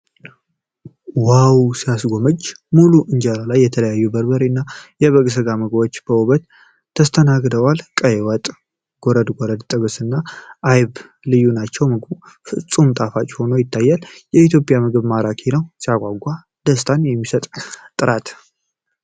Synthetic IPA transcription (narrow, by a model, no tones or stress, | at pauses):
wawsijasɡo̞məd͡ʒːmuluʔɨɲd͡ʒaɾalajːɛt̪ʰələjajːubəɾbəɾinːajɛβəɡʼs̬ɨɡaməɡbo̞t͡ʃːb̥əuβət̪ʰː | əst̪ʰənaɡd̪əwalkʼəjwət̪ʼ | ɡ̥oɾəd̪ɡoɾəd̪t̪ʼɨɡəsɨnːaʔːjβ | lɨjːunat͡ʃːɛwmɨɡb | fɨsʼumt̪ʼafat͡ʃʼho̞nəwjɪt̪ʰːajːaljɛit̪jo̞pʼjamɨɡɨβmaɾakʰenəwsijakʷʼaɡʷːa | d̪əst̪ʰanjɛmːisət̪ʼt̪ʼːɨɾat̪